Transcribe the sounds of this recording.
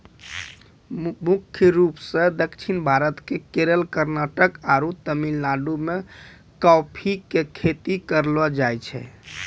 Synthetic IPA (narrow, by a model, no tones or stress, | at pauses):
mukʰjəɾupsə̃d̪əkt͡ʃʰinbʱaɾət̪kekeɾəlkəɾnaʈəkaɾut̪əmilnaɖume | kɔpʰikekʰet̪ikəɾlɔd͡ʒajt͡ʃʰɛ̰